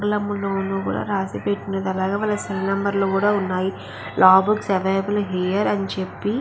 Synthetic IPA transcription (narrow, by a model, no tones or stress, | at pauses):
ɡlɐmːuloːnuːkṵːɽa̰ːɾaːsipeʈːunɐd̪ɐlaːɡeːʋɐːlːɐsilnɐmbɐɾloːkuːɽaːunːaːji | lʔaːbuksɐʋɐjbɐlɦijɐɾɐnt͡ʃepːi